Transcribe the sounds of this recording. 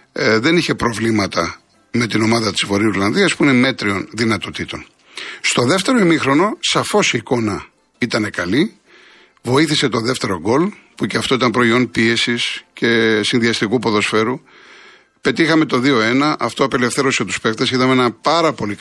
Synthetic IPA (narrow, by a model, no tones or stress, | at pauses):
ðe̞niçe̞pɾo̞vlimɐt̪ɐ | me̞t̪ino̞mɐðɐt̪izvo̞ɾiuɾlɐnðiɐspuine̞me̞t̪ɾio̞nðinɐt̪o̞t̪it̪o̞n | st̪o̞ðeft̪e̞ɾo̞imixɾo̞no̞sɐfo̞siːko̞nɐ | it̪ɐne̞kɐli | vo̞iθise̞t̪o̞ðeft̪e̞ɾo̞ɡo̞l | puceɐft̪oit̪ɐnpɾo̞io̞npie̞sisce̞sinðiɐst̪ikupo̞ðo̞sfe̞ɾu | pe̞t̪ixɐme̞t̪o̞ðio̞e̞nɐʔɐft̪o̞ɐpe̞le̞fθe̞ɾo̞set̪u̥spe̞xt̪esiðɐmenɐpɐɾɐpo̞li